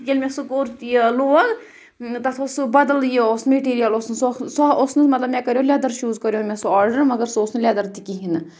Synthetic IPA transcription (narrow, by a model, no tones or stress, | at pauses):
kʲelʲmʲesukoːɾt̪eloːɐɡ | t̪ɐt̪ʰosbɐd̪ɐljeosmeʈiːɾijɐlosnɨsosoosnɨmɐt̪lɐbmʲɛkɐɾjõlʲad̪ɐɾʃuːzkɐɾjõmʲesuaːɾɖəɾmɐɡɐɾsosnɨlʲaːd̪ɐɾt̪ikiɦinɨ